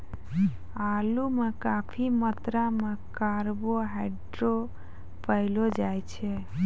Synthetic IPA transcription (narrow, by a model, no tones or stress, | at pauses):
alumekapʰimət̪ɾamekaɾboɦɛɖɾo | pəɪlod͡ʒajt͡ʃʰɛ